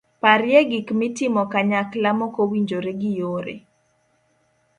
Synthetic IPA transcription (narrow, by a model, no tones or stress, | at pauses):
paɾjeɡikmɪtɪmɔkaɲaklamokowiɲd͡ʒoɾeɡɪjoɾḛ